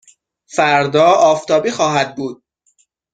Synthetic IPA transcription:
fæɾd̪ɒːɒːft̪ʰɒːbiːxɒːɦæd̪̚buːd̪̥̚

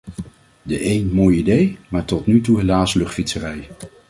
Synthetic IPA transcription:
dəʔejnmoːjidejmaːɹtɔtnytuɦelaːslɵχtfitsərɛj

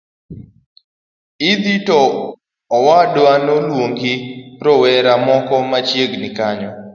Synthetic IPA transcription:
ɪd̪itɔː | wadwanɔlwoŋɡɪɾɔwɛɾamɔkɔmat͡ʃjeɡnɪkaɲɔ

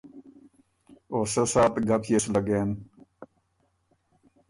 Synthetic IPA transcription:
oːsɐsaːt̪ɡɐpʰjeslɐɡeːn

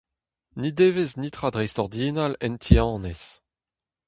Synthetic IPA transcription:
nid̪eːveznit̪χad̪ʁɛjstɔʁd̪jeːnalɛntʰiɑ̃ːnes

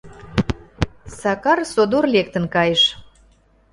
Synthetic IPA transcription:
sɑkɑrsod̪orlek̚t̪ə̆nkɑjəʃ

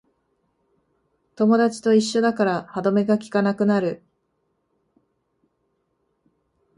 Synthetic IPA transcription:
t̪o̞mo̞d̪at͡ɕi̥t̪o̞iɕːo̞d̪akaɾahad̪o̞me̞ɡakʲi̥kanakɯ̟naɾɯ̟

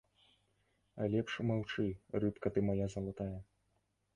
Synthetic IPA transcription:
ɐ̰lʲɛpʂmawt͡ʂɨrɨp̪kɐt̪ɨmajazɐlˠat̪ajɐ

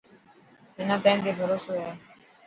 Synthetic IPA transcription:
ɦɪnãːt̪aːĩmeːbʱəɾoːsoːaeː

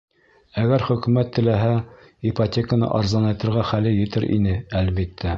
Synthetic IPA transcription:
æɡæɾχɵ̆kʉ̆mæt̪ʰːɘ̆læɦæ | ipatʲekənɤ̰ʔɑɾzɑnɑjt̪ɤ̆ɾʁæχælɘjɘ̆t̪ɘɾʔḭnɘælβit̪ʰːæ

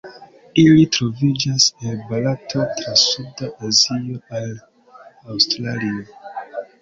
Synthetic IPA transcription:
ilitɾovud͡ʒasebalatʰotʰɾasudaʔazioan | awstɾalio

